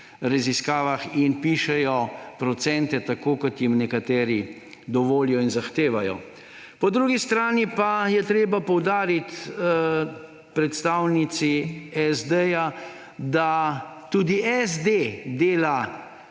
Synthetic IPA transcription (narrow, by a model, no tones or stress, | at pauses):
ɾaziskaːʋaxinpiːʃɛjɔpɾɔt̪sɛnt̪ɛt̪akoːkɔt̪jimnɛkat̪ɛːɾi | d̪ɔʋoːlijɔinzaxt̪eːʋajɔ̰ | pɔd̪ɾuːɡist̪ɾaːnipajɛt̪ɾeːbapɔwd̪aːɾit̪ | pɾɛt̪st̪awnit̪siɛzd̪ɛja | d̪at̪uːd̪iʔɛzd̪ed̪eːla